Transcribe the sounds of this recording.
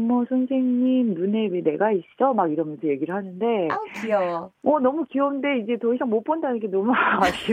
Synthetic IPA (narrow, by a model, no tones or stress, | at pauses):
mːʌsʰʌnsʰe̞ŋɲimnune̞wene̞ɡaiɕ͈id͡ʑʌmaɡiɾʌmjʌnsʰʌje̞ɡiɾɯɭhanɯnde̞kiʌʌnʌmukiʌɯnde̞id͡ʑe̞toisʰaŋmop͈ʰondanɯŋkʰenʌmuaaɕ͈i